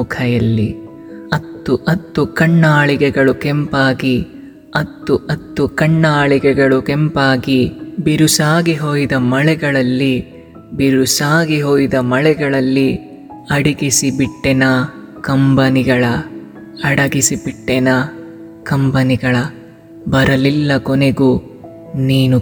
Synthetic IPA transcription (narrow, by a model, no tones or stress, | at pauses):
ukʰɐjɐlːi | ɐt̪ːuʔɐt̪ːukɐɳːaːɭiɡɛɡɐɭukɛmpaːɡi | ɐt̪ːuʔɐt̪ːukɐɳːaːɭikɛɡɐɭukɛmpaːɡibiɾusaːɡiɦoːjid̪ɐmɐɭɛɡɐɭɐlːi | biɾusaːɡiɦoːjd̪ɐmɐɭɛɡɐɭɐlːi | ɐɽiɡisibiʈːɛnɐ | kɐmbɐniɡɐɭɐ | ɐɽɐɡisibiʈːɛnɐ | kɐmbɐniɡɐɭɐ | bɐɾɐlilːɐkoneɡu | niːnu